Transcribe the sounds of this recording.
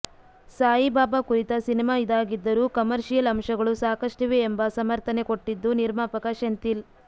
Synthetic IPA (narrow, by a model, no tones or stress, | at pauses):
saːjibaːbɐkuɾit̪ɐsinimaːid̪aːɡid̪ːɐɾuːkɐmɐɾʂijɐlɐmʂɐɡɐɭusaːkɐʂʈiʋeːmbɐsɐmɐɾt̪ɐneko̞ʈːid̪ːuniɾmaːpɐkɐʃɐnt̪il